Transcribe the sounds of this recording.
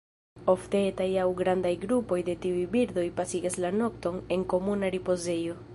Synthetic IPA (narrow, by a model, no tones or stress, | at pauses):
o̞ft̪e̞et̪ajawɡɾand̪ajɡɾupo̞jd̪e̞t̪iujbiɾd̪o̞jpasiɡeslano̞k̚t̪o̞ne̞ŋko̞munaɾipo̞ze̞jo̞